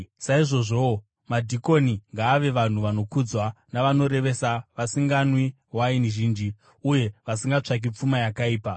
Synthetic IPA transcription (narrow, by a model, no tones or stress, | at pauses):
saiʐo̞ʐo̞ | madʱiko̞niŋɡaːʋe̞ʋan̤uʋano̞kud͡zwanaʋano̞ɾe̞ʋe̞saʋasiŋɡanwi | wainiʒiːnd͡ʒi | uje̞ʋasiŋɡat͡ʂak̬ip͡fumajakaiːpa